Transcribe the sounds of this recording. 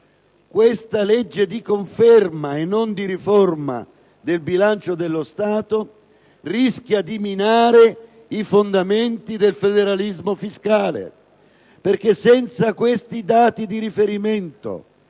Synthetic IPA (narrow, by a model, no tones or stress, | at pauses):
kwest̪aled͡ʒːed̪ikoɱfɛrmaenːond̪iɾifɔrma̰ | d̪elbilant͡ʃod̪elːost̪aːt̪o | risk̟jad̪iminaːɾe | ifond̪ament̪id̪elfed̪eɾalizmofiskaːlḛ | perk̟esɛnt̪sakwest̪id̪aːt̪id̪iɾifeɾiment̪o̰